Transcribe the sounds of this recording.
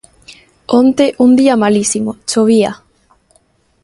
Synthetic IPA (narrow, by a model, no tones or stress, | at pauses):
õnt̪eʔund̪iamalisimot͡ʃoβia